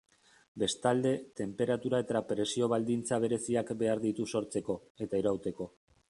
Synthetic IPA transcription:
be̞st̪ald̪e̞t̪e̞mpe̞ɾat̪uɾae̞t̪apɾe̞sio̞βald̪int͡saβe̞ɾe̞siakbe̞aɾðit̪uso̞ɾt͡se̞ko̞e̞t̪aiɾawt̪e̞ko̞

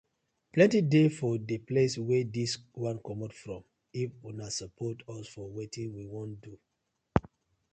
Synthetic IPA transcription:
plɛ̃ntidefɔdipleswɛdiswãnkɔmɔtfɹɔ̃m | ifunasɔpʰɔtɔsfɔwetĩnwiwõndu

